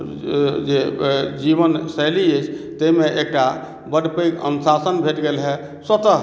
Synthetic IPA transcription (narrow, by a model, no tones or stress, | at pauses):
d͡ʒed͡ʒiβənsəliet͡ʃʰt̪əmeʔek̚ʈa | bəɽpekə̰nsasənbʱeʈɡelɦɛ | sət̪ə